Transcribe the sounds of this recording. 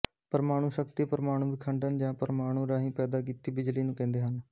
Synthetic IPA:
pəɾmaːɽ̃ũːʃək̚t̪ipəɾmaːɽ̃ũːbɪkʰəɳɖənd͡ʒãːpəɾmaːɽ̃ũːɾaːɦĩːpɛːd̪aːk̬iːt̪iːbɪd͡ʒliːnũːkɛ̃ːnd̪eːɦən

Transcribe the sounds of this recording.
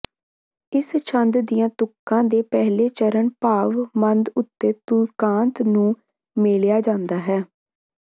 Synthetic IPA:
ɪst͡ʃʰənd̪d̪ijãːt̪ʊkːãːd̪eːpɛɦleːt͡ʃəɾəɳpaːʋmənd̪ʊt̪ːeːt̪ukãːnt̪nũː | meːljaːd͡ʒãːnd̪aːɦɛː

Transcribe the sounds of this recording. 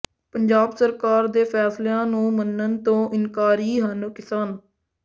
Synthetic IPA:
pəɲd͡ʒaːbsəɾkaːɾd̪eːpʰɛːsleãːnũːmənːənt̪õːʔɪnkaːɾiːɦənkɪsaːn

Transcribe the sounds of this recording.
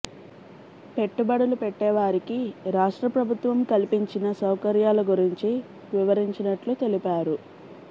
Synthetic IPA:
pe̞ʈːubɐɽɐlupeʈːɛːʋaːɾikiɾaːʂʈɾɐpɾɐbʱut̪ʋɐmkɐlipiɲt͡ʃinɐsɐwkɐɾjaːlɐɡuɾiɲt͡ʃi | ʋiʋɐɾiɲt͡ʃinɐʈlut̪e̞lipaːɾu

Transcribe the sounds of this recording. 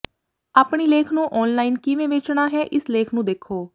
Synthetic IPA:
aːpɳiːleːkʰnũːʔɔːnlaːiːnkɪʋẽːʋeːt͡ʃɳaːɦɛːʔɪsleːkʰnũːd̪eːkʰːoː

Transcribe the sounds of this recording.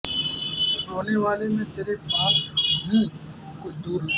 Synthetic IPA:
ɾoːneʋaːlemẽːt̪eːɾepaːsbĩ | kʊt͡ʃʰd̪uːɾ

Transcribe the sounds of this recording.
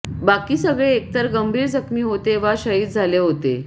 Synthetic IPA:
bakiːsəɡɭeːk̚t̪əɾɡəmbʱiːɾd͡zəkmiːɦot̪eʋaɕəɦiːt̪̚d͡zʱaleɦot̪ḛ

